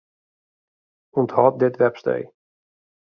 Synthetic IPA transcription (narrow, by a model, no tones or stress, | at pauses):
unthɔːt̚dɪtʋɛpstḛj